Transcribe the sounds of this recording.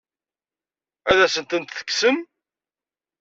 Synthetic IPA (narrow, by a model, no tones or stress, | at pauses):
æðæsənt̪ənt̪θə̥kːsəm